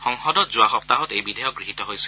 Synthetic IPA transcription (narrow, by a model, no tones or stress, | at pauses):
xɔŋxɔdɔtzʊaxɔp̚taɦɔtejbidʱɛjɔk̚ɡɹiɦitɔɦojsi